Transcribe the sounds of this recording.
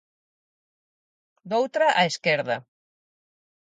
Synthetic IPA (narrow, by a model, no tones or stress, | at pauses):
d̪owt̪ɾaʔaeskeɾðɐ